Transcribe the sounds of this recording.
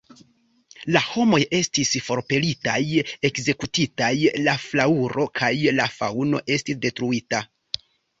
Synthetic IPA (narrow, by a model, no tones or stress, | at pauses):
laho̞mo̞je̞stisfo̞ɾpe̞litaje̞kze̞kutitajlaflauɾo̞kʰajlafa̰wno̞̰ʔe̞stis̬de̞tɾuita